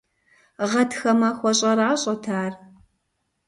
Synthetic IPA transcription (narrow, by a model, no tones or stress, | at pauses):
ʁɐtxɐmɐxʷɔɕʼɐɾaːɕʼɐtʰaːr